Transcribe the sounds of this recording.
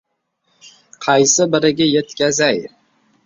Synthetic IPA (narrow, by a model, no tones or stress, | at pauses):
qʰɑjsɪbɪɾɪɡʲajet̪kʲazaj